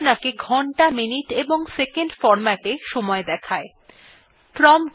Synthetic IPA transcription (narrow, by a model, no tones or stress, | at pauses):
nakeɡʱɔɳʈaminiʈeboŋsekeɳɖfɔɾmaʈeʃɔmɔed̪ɛkʰae | pɾɔm